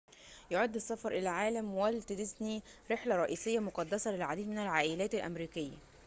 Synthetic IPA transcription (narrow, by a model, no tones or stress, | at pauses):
joʕad̪ːesːɑfɑɾˤʔelæʕaːlæmwælt̪ed̪ɪsniɾeħlæɾˤɑʔiːsɪjːæmoqɑd̪ːæsælelʕad̪iːd̪menælʕaːʔɪlæːt̪ælʔæ̰mɾiːkɪjːæ̰